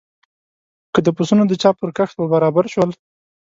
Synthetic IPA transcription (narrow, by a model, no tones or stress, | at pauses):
kəd̪əpusunod̪ət͡ʃɑpəɾkaxt̪̚bəbaɾɑbaɾʃwəl